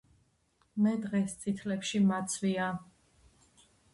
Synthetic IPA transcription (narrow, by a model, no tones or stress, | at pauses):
mɛd̪ʁɛst̪sʼit̪ʰlɛpʃimat̪sʰvia